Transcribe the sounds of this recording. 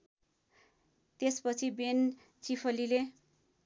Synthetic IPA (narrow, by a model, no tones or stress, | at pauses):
t̪espʌt͡sʰiben | t͡sipʰʌlile